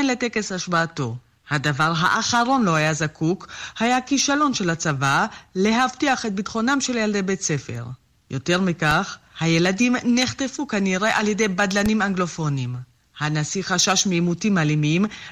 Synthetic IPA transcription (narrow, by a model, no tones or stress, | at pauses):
enle̞teke̞saʃbaːto̞ | hadavaʁɦa̰ʔaχaʁo̞nlo̞hajazakukhajakiʃalo̞nʃelat͡savale̞ɦaftiaχet̪̚bitχo̞namʃe̞ljald̪ebet͡sefe̞̰ʁ | jo̞te̞ʁmikaχhaje̞ladimneχte̞fukaniʁe̞ʔaljedejbadlanimaŋɡlo̞fo̞nim | hanasiχaʃaʃmiːmutimalimim